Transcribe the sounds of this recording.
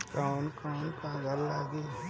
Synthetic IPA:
kaːnkaːnkaːɡəɾlaːɡeː

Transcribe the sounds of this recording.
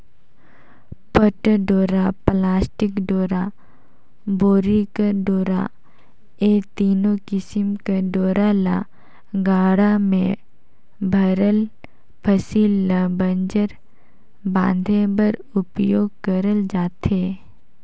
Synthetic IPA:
pəʈɖoːɾaplaːsʈɪkɖoːɾa | boːɾikaɖoːɾa̰ | eːt̪iːnokɪsɪmkaɖoːɾala̰ | ɡaːɽamẽ | bʱəɾəl | pʰəsiːlːabə̃nd͡ʒəɾ | bã̰ːnd̪ʱẽbəɾʊpjoːɡ̚kəɾəld͡ʒaːt̪ɦeː

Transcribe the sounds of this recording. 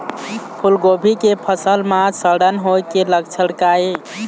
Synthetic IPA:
pʰulɡobʱikepʰəsəlmasəɽənɦojkeləkt͡ʃʰəɽkae

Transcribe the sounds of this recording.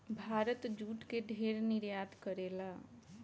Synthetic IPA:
bʱaːɾət̪d͡ʒuːʈkeɖʱeːɾnɪɾjaːd̪kəɾeːlaː

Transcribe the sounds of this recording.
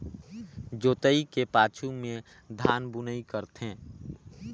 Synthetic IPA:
d͡ʒoːt̪əikepaːt͡ʃʰumẽ | d̪ʱaːnbʊnəikəɾt̪ɦẽː

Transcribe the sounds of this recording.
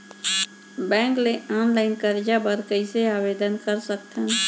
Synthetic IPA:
bɛ̃ːŋkleanlaɪnkəɾd͡ʒabəɾkəiseabed̪ənkəɾsəkt̪ʰən

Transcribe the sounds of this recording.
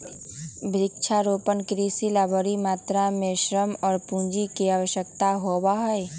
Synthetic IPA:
bʱɾɪkt͡ʃʰaɾoːpənkɾiːsilaːboːɾimaːt̪ɾamẽʃɾəmɔːɾpũːnd͡ʒikiaːwəʃjək̚t̪aɦobaɦɔe

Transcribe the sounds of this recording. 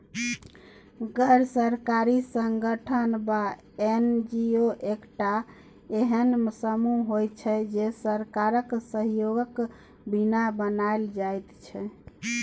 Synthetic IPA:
ɡəɾsəɾkaɾisəŋɡəʈʰənba | end͡ʒioʔekʈa | eɦənsəmuɦojt͡ʃʰɛd͡ʒesəɾkaɾəksəɦjoɡək | binabənaeld͡ʒajt̪t͡ʃʰɛ

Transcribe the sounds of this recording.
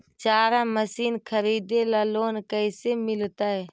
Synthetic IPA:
t͡ʃaːɾaməsiːnkʰəɾiːd̪elaloːnkəɪsemɪlt̪aɦɛ

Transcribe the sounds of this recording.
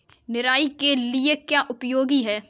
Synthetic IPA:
nɪɾaːikeliekjaːʔʊpjoːɡiɦɛː

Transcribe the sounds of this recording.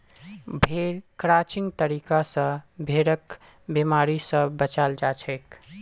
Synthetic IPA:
bʱeɾkɾat͡ʃiŋɡt̪əɾikasə̃bʱeɾək | bemaɾisə̃bət͡ʃald͡ʒat͡ʃʰɛk

